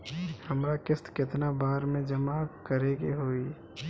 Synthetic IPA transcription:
həmɾakɪst̪kɪt̪nabaːɾmẽd͡ʒəmakəɾeɡeɦoːi

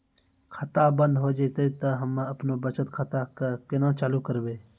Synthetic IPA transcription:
kʰət̪aːbə̃nd̪ɦoːd͡ʒet̪əit̪əɦəmɐpnoːbət͡ʃət̪kʰət̪aːkəkɪnãːt͡ʃaːluːkəɾbeː

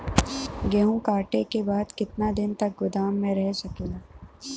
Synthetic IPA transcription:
ɡɛɦũkaːʈekebaːd̪kɪt̪nad̪ɪnt̪ɐk̚ɡʊd̪aːmːẽɾɛɦsɐkeːlaː

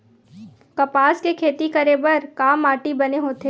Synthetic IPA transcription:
kɐpaːskekʰeːt̪ikɐɾeːbəɾkaːmaːʈibɐneɦoːt̪eː

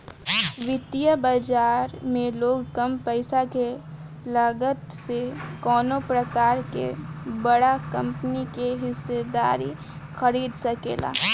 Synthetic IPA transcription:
ʋɪt̪ijəbaːd͡ʒaːɾmẽloːɡkɐmpəɪsake | laɡət̪sekɔːnopɾɐkaːɾkḛbɐɽakɐ̃mpnikeɦɪsːed̪aːɾi | xɐɾiːd̪sɐkḛːla̰ː

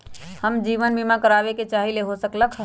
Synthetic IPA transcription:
həmd͡ʒiʋənbimakəɾabeket͡ʃaɦileɦosəkləkʰ

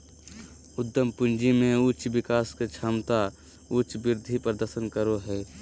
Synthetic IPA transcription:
ʊd̪ːəmpʊnd͡ʒimẽʊt͡ʃbɪkaːsket͡ʃʰaːmt̪a | ʊt͡ʃbɪɾd̪ʱipɾəd̪əɾsənkəɾoɦɛː

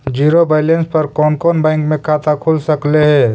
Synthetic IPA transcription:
d͡ʒiːɾobaɪlẽnspəɾkɔːnkɔːnbɛ̃ːŋkmẽkʰaːt̪akʰulsəkleɦɛː

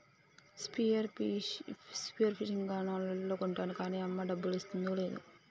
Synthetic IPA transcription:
spiɐɾ | spijɐɾpʰiʈiŋɡɡaːnaːnlɐoːkuɳʈaːnukaːniːɐmːɐɖɐbːulist̪und̪ole̞ːd̪ṵ

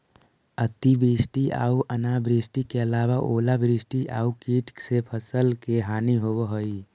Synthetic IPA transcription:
ət̪ibɾisʈia̰ːuʔənabɾisʈikeəlaβaʔoːlabɾisʈiʔaːukiʈsepʰəsəlkeɦaːniɦobəɦoj

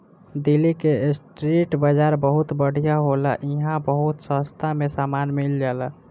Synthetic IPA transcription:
d̪ilːikesʈɾiʈbəd͡ʒaːɾbəɦut̪bəɽ̤ijaɦolaʔiɦãbəɦut̪sə̃st̪ʰamesamanmild͡ʒaːla

